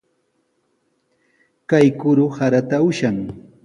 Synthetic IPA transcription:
kajkʊɾʊhaɾat̪aʊʃaŋ

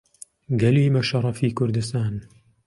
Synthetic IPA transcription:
ɡɐliːmɐʃɑɾˤɑfiːkʊɾd̪ɨst̪aːn

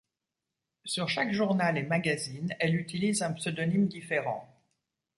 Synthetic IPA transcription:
syʁʃakʒuʁnalemaɡazinɛlyt̪ilizɛ̃psød̪ɔnimd̪ifeʁɑ̰̃

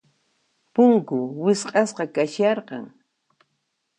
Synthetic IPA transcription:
pʊŋkʊwɪsqʼɑsqɑkaʃɑɾqɑ̰ŋ

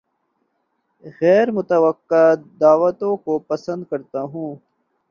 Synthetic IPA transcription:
ɣɛːɾmʊt̪ɐwəqːad̪aːʋət̪õkopɐsə̃nd̪̚kɐɾt̪aːɦũː

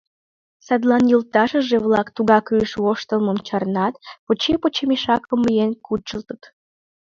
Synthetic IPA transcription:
sɑd̪lɑnjult̪ɑʃəʒeβlɑkt̪uɣɑkyʃβoʃt̪əlməmt͡ɕɑrnɑt̪̚pot͡ɕepot͡ɕemiʃɑkəmːijenkʰut͡ʃəlt̪ət̪

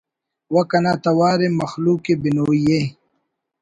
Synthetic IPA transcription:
wɐkɐnat̪ɐwaːɾemɐxluːkebinoːije

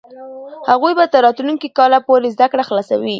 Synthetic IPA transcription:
haɣujbat̪əɾːɑt̪unuŋkikɑlapoɾezd̪akɽaxlɑsa̰wi

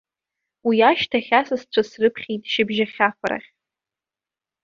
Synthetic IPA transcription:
wiaʃtʰaχʲasɨst͡ɕʷʰasrɨpʰχʲijtʼʃɪbʒaχʲafʷaɾa̰χʲ

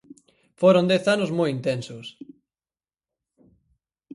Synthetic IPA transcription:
foɾond̪ɛθanʊzmojint̪ɛnsʊs

